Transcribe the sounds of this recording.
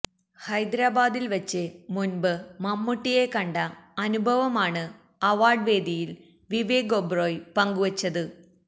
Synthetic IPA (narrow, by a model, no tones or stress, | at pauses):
hɐjd̪ɾaːbaːd̪ilʋɐt͡ɕːɨmunbɨmɐmːuʈːije̞kɐɳɖɐɐnubʱɐʋɐmaːɳɨ | ɐʋaːrɖʋe̞ːd̪ʱijil | ʋiʋeːɡobroːjpɐŋɡuʋɐt͡ɕːɐðɨ